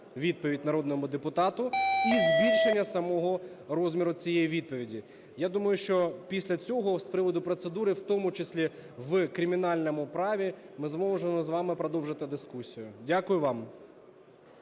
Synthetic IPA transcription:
ʋʲid̪̚pɔʋʲidʲnɐɾɔd̪nɔmʊd̪epʊt̪ɑt̪ʊizbʲilʲʃenʲːɐsɐmɔɦɔɾɔzʲmʲiɾʊt͡sʲijɛjiʋʲid̪̚pɔʋʲidʲi | jad̪umɐjʊʃt͡ʃɔpʲisʲlʲɐt͡sʲɔɦɔspɾɪʋɔd̪ʊpɾɔt̪sed̪uɾɪwt̪ɔmʊt͡ʃesʲlʲiʋkɾʲimʲinɑlʲnɔmʊpɾɑʋʲimɪzmɔwʒemɔzʋɑmɪpɾɔd̪ɔwʒɪt̪ɪd̪ɪskusʲijʊdʲakʊjʊʋɑm

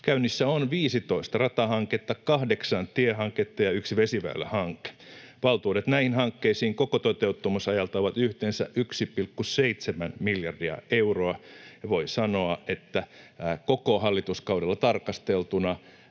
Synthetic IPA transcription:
kæynːisːæonʋiːsit̪oist̪ɑrɑt̪ɑhɑŋket̪ːɑkɑhdeksɑnt̪iehɑŋket̪ːɑjɑyksiʋesiʋæ̰ilːæ̰hɑŋkːe̥ʋɑlt̪uːɾet̪næihinhɑŋkːeisiːŋkokot̪ot̪eut̪ːomusɑjɑlt̪ɑoʋɑt̪yht̪eːnsæ̰ʔyksipilkːuseit̪semænmiljɑrdiɑ̰euroɑjɑʋoisɑnoɑʔet̪ːækokohɑlːit̪uskɑudelːɑt̪ɑrkɑst̪elt̪unɑ

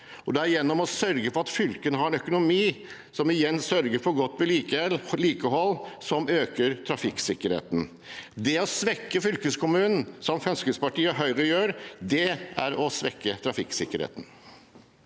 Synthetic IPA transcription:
ɔd̪ɛæɾjɛnːɔmɔsœɾɡəpɔɾɑt̪fʏlkənəɦɑɾɛnœkʊnʊmiː | sɔmɪjɛnːsœɾɡəɾpʰɔɡɔt̪ːʋɛliːliːkəɦɔlːsɔmøːkəɾt̪ʰɾɑfɪkːsɪkːəɾhḛːt̪n̩ | d̪ɛɔsʋɛkːəfʏlkəskʰʊmʉːnn̩sɔmfœnskəspɑʈiːəɦœʏɾəjøːɾd̪ɛæ̰ɾɔsʋɛkːət̪ʰɾɑfɪksɪkːəɾḛːt̪n̩

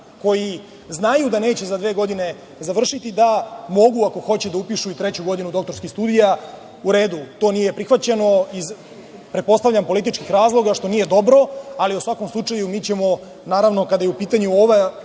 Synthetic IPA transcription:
ko̞ji | znajud̪ane̞ːt͡ɕe̞zad̪ʋeɡo̞d̪ine̞ | zaʋr̩ʃit̪id̪amo̞ɡuako̞xo̞t͡ɕed̪aupiʃuit̪ɾet͡ɕuɡo̞d̪inud̪o̞k̚t̪oɾskist̪uːd̪ija | uɾe̞ːd̪ut̪o̞ːnije̞pɾixʋat͡ɕe̞no̞iz | pɾet̪̚po̞st̪avʎʲampo̞lit̪̬it͡ʃkixɾaːzlˠo̞ɡaʃt̪o̞niːje̞d̪o̞bɾo̞aliusʋako̞mslˠut͡ʂajumiːt͡ɕe̞mo̞ | naːɾaʋnokad̪ajeupiːt̪aɲuoʋa

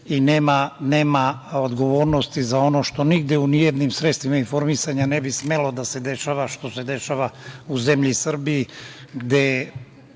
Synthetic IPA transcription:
ineːmaneːmaod̪ɡo̞ʋo̞ːɾnost̪izao̞no̞ʃt̪o̞niɡd̪jeunijed̪nimsɾet̪st̪ʋimainfo̞ɾmisaɲanebismelo̞d̪ase̞d̪e̞ʃaːʋaʃt̪o̞se̞d̪e̞ʃaːʋauze̞mʎisr̩biji | ɡd̪e

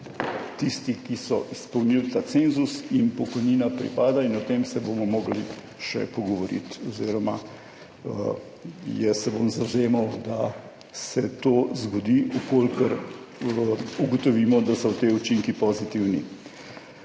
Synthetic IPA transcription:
t̪ist̪ikisɔʔispəwnilt̪at̪senzusinpɔkɔjniːnapɾḭpaːd̪ainɔt̪emsɛbomɔmoːɡlḭ | ʃɛ̰pɔɡɔʋɔɾḭt̪ɔziɾɔma | jɛsɛbomzawzeːmɐwd̪a | sɛt̪oːzɡɔd̪iukolkəɾ | uɡɔt̪ɔʋiːmɔd̪asɔwt̪eut͡ʃiŋkipɔzit̪iwnḭ

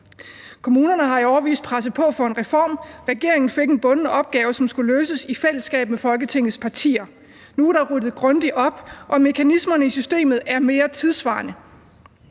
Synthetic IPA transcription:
kʰo̝muːnɐnəɦɑ̈iɒʊɐʋḭːsd̥̚pʰʁasəpʰɒ̽fɒ̽e̝nʁɛfɒ̰ːmʁɛɡ̥e̝ɐe̝ŋn̩fe̝ɡ̥e̝nb̥ɔ̽nnəɒ̽b̥̚ɡ̥ɛːʊsɒ̽msɡ̥uløːsəsifel̰əsɡ̥ɛ̰ːb̥̚mefɒ̽lɡ̥ət͡sʰe̝ŋ̰ð̞̩ˠspʰɑ̈t͡sʰḭːɐ | nuɾ̥ɑ̈ʁud̥ð̩ˠɡ̥ʁɔ̽nd̥iʔɒ̽b̥ʔɒ̽me̝kʰænismɐnəisysd̥e̝̰ːmð̞̩ˠæɐme̝ːɐt͡sʰiðˠsʋɑ̰̈ːnə

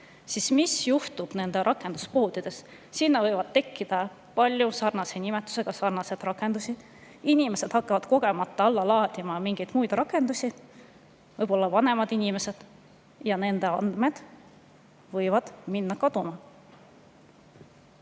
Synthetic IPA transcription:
sismisjuht̪ub̥ne̞nd̪̥e̞ʔɑkːˑe̞nd̪̥uspo̞ːd̪̥id̪̥e̞sː | inːɑvɤjvɑd̪̥̚t̪e̞kːˑid̪̥ɑ | pɑlʲjusɑrnɑse̞nimet̪ːˑu̥se̞ɡ̥ɑsɑrnɑse̞d̪̥rɑkːˑe̞nd̪usʲi | inʲime̞se̞d̪̥hɑkːˑɑvɑd̪̥ko̞ɡ̥e̞mɑt̪ˑːɑɑlːɑlɑːd̪̥ʲimɑmiŋɡ̥ejd̪̥mujd̪rɑkːˑe̞nd̪̥usʲi | vɤjb̥o̞lːɑvɑne̞mɑd̪inʲime̞se̞d̪̥ | jɑne̞nd̪e̞ɑnd̪me̞d̪̥ | vɤjvɑd̪̥minːɑkɑd̪̥umɑ

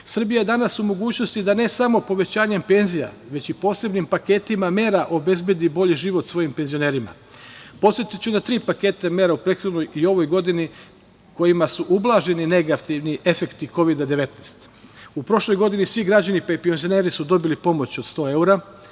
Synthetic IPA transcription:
sr̩bijaje̞d̪anasumo̞ɡuːt͡ɕno̞st̪id̪ane̞samo̞po̞ʋe̞t͡ɕaːɲe̞mpe̞nzija̰ | ʋe̞t͡ɕipo̞ːse̞bnimpake̞ːt̪imame̞ːɾaʔo̞be̞zbje̞d̪ibo̞ʎiʒiʋo̞t̪sʋo̞jimpe̞nzione̞ːɾima̰ | po̞t̪sjet̪it͡ɕud̪at̪ɾiːpake̞ːt̪eme̞ːɾaupɾet̪xo̞d̪no̞jio̞ʋo̞jɡo̞d̪ini | ko̞jimasuʔublˠaʒe̞nine̞ɡat̪iʋniʔe̞fe̞kt̪iko̞ʋid̪ad̪e̞ʋe̞t̪neːst̪ | upɾo̞ʃlo̞jɡo̞d̪inisʋiɡɾad͡ʑanipaipenzioneːɾisud̪o̞bilipo̞mo̞t͡ɕo̞d̪st̪o̞ːe̞uɾa

